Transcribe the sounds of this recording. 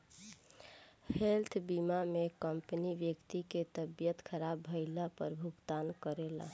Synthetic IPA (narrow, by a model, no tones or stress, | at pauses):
helt̪ʰbimamekəmpəniʋjəkt̪iket̪əbjət̪kʰəɾabːəɪlapəɾbʱuɡt̪ankəɾela̰